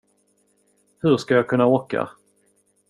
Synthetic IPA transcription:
hɵʂkajɑːkʰɵnːaoːka̰

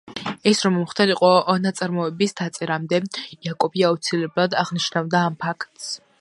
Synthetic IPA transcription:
ɛsɾɔmɔmχt̪aliqʼɔɔnat̪sʼaɾmɔɛbisd̪̥at̪sʼɛɾamd̪ɛjakʼɔbiaut̪sʰilɛblˠad̪aʁniʃnavd̪aːmpʰakʰt̪ʼs

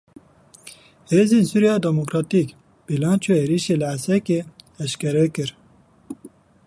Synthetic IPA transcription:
heːzeːnsuɾijɑːd̪ɛmokɾɑːt̪ik | b̥ilɑːnt͡ʃueːɾiʃeːlɨæsɛkeːɛʃkɛɾɛkɨɾ

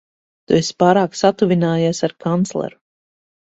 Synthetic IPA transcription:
t̪uespaːɾaːksat̪uvʲinaːjaːsaɾkant̪slˠɛ̰ɾu

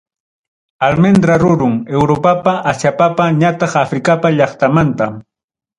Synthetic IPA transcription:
almend̪ɾaɾʊɾʊŋewɾopapaʔasapapaɲat̪ɑχafɾɪkapaʎɑχt̪amant̪a

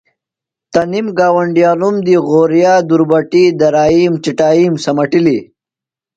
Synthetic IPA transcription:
t̪ɐnimɡaːwɐɳɖijaːnumd̪iɣoːɾjaːd̪uɾbɐʈid̪ɐɾaːiːmt͡ʃiʈaːiːmsɐmɐʈili

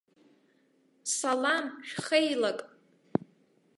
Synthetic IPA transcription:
salamʃᶣχejlakʼ

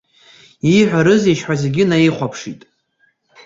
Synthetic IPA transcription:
iħʷᶣaɾɨziʃħʷᶣaze̞ɡʲɪnaiχʷapʰʂitʼ

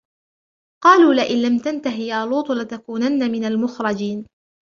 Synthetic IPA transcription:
qɑːluːlɪʔɪnlamt̪ant̪aɦɪjaːluːt̪ˤlɪt̪akuːnanːamɪnalmʊxɾˤɑd͡ʒiːn

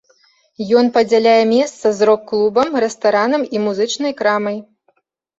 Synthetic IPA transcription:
jɔnpɐd͡zʲalʲajɛmʲɛst̪sɐzɾɔkːlˠubɐmrɛst̪aɾanɐmimuzɨt͡ʂnɐjkɾamɐj

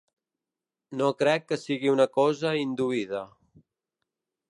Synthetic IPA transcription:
nokɾɛkːəsiɣiunəkɔzəind̪uiðə

